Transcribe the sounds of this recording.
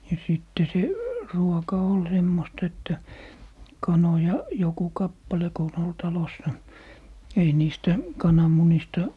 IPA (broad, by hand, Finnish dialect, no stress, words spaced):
jɑ siˑtːe se ruokɑ ol semːostɑ etːæ kɑnojɑ joku kɑpːɑle ko on ol tɑlosːɑ ei niːstæ kɑnɑmunistɑ